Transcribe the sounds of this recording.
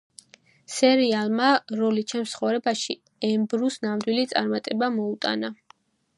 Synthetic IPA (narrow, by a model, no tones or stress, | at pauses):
sɛɾialˠmaɾɔlit͡ʃʰɛnmsχɔvɾɛbaʃi | ɛmbɾusnamd̪wilit̪sʼa̰ɾmat̪ʼɛbamɔut̪ʼa̰na